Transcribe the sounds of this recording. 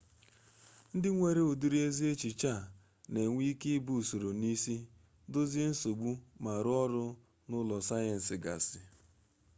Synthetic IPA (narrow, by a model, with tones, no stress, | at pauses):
n̩˦dɪ˦ŋʷe˨ɾe˦o˨du˦ɾi˦e˦zi˦e˦t͡ʃi˨t͡ʃa˦˨ | ne˨ŋʷi˦kɪ˦bu˦˨so˨ɾo˨ni˦si˦ | do˦ze˦n̩˦so˨ɡ͡bu˦ma˨ɾʊ˦ɔ˦ɾʊ˦ | nʊ˦lɔ˨sa˦jɛ˨n̩˨sɪ˨ɡa̰˨sɪ˨